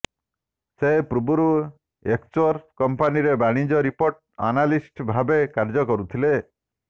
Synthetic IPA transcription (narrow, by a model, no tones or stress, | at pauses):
sepɾubuɾu | ekt͡ʃɔɾkɔmpaniɾebaɽ̃id͡ʒɔɾipoɾʈ | a̰nalisʈbʱabekaɾd͡ʒɔkɔɾut̪ʰile